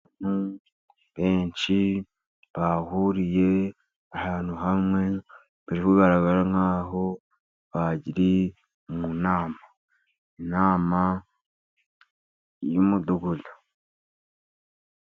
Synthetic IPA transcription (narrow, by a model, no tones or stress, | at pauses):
anu | β̥eːɲt͡ʃi | βahuɾije̞ | ahaːn̥uɦamŋe̞ | βiɾiβuβaɾaɡaɾaŋhaːɦo̞ | βaɟiɾi | munaːma | inaːma | jumuduɡuɮḁ